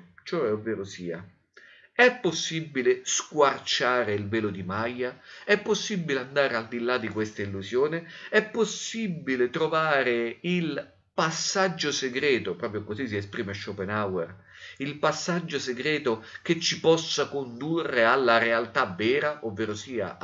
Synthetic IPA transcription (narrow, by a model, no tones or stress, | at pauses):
t͡ʃoɛovːɛːɾʊsiːa | ɛpːosːibːileskwart͡ʃaːɾeilvɛːlod̪imajːaɛpːosːibːileand̪aːɾeald̪ilːad̪ikwest̪ailːuzjoːnɪɛpːosːibilet̪ɾovaːɾɪil | pasːad͡ʒːoseɡɾɛːt̪opɾɔːp̬ɾjokozis̬iespɾiːmaʃːopenawɛr | ilpasːad͡ʒːoseɡɾɛːt̪oket͡ʃːipɔsːakond̪urːealːaɾealt̪avɛːɾaʔovːeːɾosiːa̰